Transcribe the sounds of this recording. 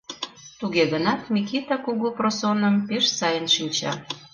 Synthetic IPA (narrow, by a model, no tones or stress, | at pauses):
t̪uɣeɣənɑt̪mʲikit̪ɑkuɣuprosonəmpeʃsɑjənʃinʲt͡ɕɑ̰